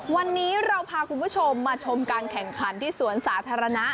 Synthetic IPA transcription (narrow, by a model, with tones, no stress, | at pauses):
wa˧nːiː˦˥ɾa˧wpʰaː˧kʰu˧npʰu˦˥t͡ɕʰo˧mːaː˧t͡ɕʰo˧mkaː˧nkʰɛ˨˩ŋkʰa˩˦nt̪ʰiː˥˩su˨˩˦ənsaː˩˦t̪ʰaː˧ɾa˧na˦˥ʔ